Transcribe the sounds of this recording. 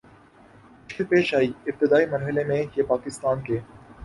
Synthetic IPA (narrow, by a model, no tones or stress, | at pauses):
ʊʃəlpeːʃaːiɪp̚t̪ɪd̪aːimɐɾɦəlemẽjepaːkɪst̪aːnkeː